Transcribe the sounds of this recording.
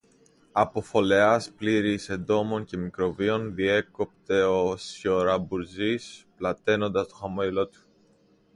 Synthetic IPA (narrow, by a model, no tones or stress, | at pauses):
ɐpo̞fo̞le̞ɐspliɾise̞nd̪o̞mo̞ɲce̞mikɾo̞vio̞nðie̞ko̞pt̪e̞o̞sço̞ɾɐbuɾzisplɐt̪e̞no̞nd̪ɐst̪o̞xɐmoilo̞t̪u̥